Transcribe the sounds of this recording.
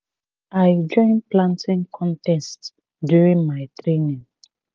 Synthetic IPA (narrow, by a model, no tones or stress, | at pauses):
aɪd͡ʒɔ̃ɪ̃nplãntĩŋkʰɔ̃ntɛst | djuɹĩnmaɪtɹenĩŋ